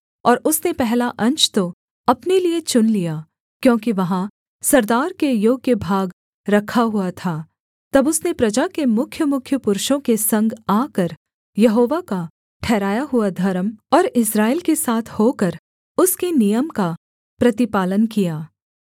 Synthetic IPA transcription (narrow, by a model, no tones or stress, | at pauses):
ɔːɾʊsnepɛɦlaʔɐ̃nt͡ʃt̪o | ɐpneliet͡ʃʊnlijaː | kjõːkiʋɐɦã | sɐɾd̪aːɾkejoːɡ̚kːjebʱaːɡ | ɾɐkʰaɦuat̪ʰa | t̪ɐbʊsnepɾɐd͡ʒakemʊkʰjəmʊkʰjəpʊɾʃõkesɐ̃ŋɡaːkəɾ | jɐɦoːʋaka | ʈʰɛːɾaːjaɦuad̪ʱɐɾəmɔːɾɪsɾaːɪːlkesaːt̪ʰhoːkɐɾ | ʊskenijəmka | pɾɐt̪ɪpaːlənkijaː